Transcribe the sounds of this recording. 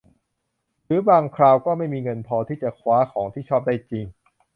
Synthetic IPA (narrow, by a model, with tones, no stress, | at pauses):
ɾɯː˨˦baː˧ŋkʰɾaː˧wkɔː˥˩ma˥˩jmiː˧ŋɤ˧npʰɔː˧t̪ʰiː˥˩t͡ɕa˨˩kʰwaː˦˥kʰɔː˩˦ŋt̪ʰiː˥˩t͡ɕʰɔː˥˩p̚daː˥˩jt͡ɕi˧ŋ